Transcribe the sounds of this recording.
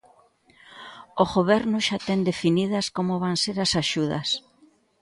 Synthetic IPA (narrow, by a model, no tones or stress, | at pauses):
oɣoβ̞ɛɾnʊʃat̪ɛnd̪efinið̞ɐskomoβaŋseɾasaʃuð̞ɐ̰s